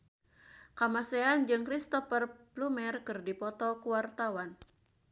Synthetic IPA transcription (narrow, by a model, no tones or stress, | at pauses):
kamasɛand͡ʒɨŋkɾist̪ɔfərblumɛrkɨrdipɔt̪ɔkuwart̪awan